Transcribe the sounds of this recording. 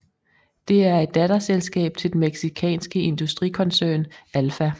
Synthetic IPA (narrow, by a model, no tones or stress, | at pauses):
d̥e̝æɐe̝d̥̚ːædɐselsɡ̥ɛ̰ːb̥̚t͡sʰe̝ld̥emeɡ̥sikʰɛ̰ːnsɡ̥əe̝nd̥usd̥ʁikʰɒ̽nsøːnælfæ